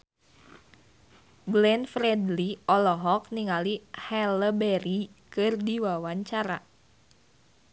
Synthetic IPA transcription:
blɛnfɾɛdliɔlɔɦɔk̚niŋalihɛləbɛɾikɨrdiwawaɲt͡ʃaɾa

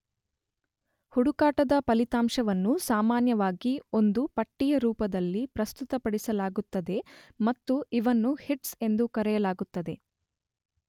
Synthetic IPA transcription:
huɽukaːʈɐd̪ɐpɐlit̪aːmʃɐʋɐnːusaːmaːnjɐʋaːɡio̞nd̪upɐʈːijɐɾuːpɐd̪ɐlːipɾɐst̪ut̪ɐpɐɽisɐlaːɡut̪ːɐd̪e̞mɐt̪ːuiʋɐnːuhiʈse̞nd̪ukɐɾɛjɐlaːɡut̪ːɐd̪e̞

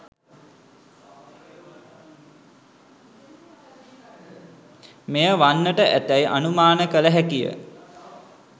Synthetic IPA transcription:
mejəʋanːəʈəʔæt̪æjʔa̰numaːnəkələɦækijə̰

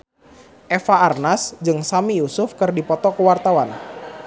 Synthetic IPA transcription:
ʔefaarnasd͡ʒɨŋsamijusʊfkɨrdipɔt̪ɔkəwart̪awan

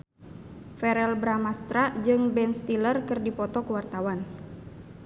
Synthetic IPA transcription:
fɛɾɛlbɾamast̪ɾad͡ʒɨŋbɛnst̪ilərkɨrdipɔt̪ɔkuwart̪awan

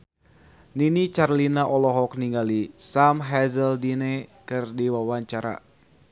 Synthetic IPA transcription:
ninit͡ʃarlinaʔɔlɔɦɔk̚niŋɡalisamɦɛzəldinɛkɨrdiwawaɲt͡ʃaɾa̰

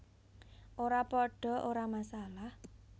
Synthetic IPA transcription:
ʔoɾapɔɖ̥ɔ̤ʔoɾamasalah

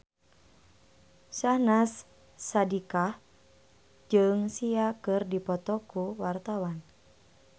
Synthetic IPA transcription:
sahnasː | adikah | d͡ʒɨŋsiakɨrdipɔt̪ɔkuwart̪awan

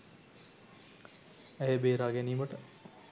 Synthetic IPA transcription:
æjəbeːɾaːɡæniːməʈə

